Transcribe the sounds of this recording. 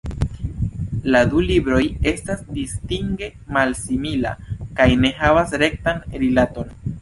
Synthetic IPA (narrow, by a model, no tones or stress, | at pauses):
ladulibɾo̞je̞stasdistiŋɡe̞ | malsimila̰kajne̞ɦavasɾe̞k̚tanɾilato̞n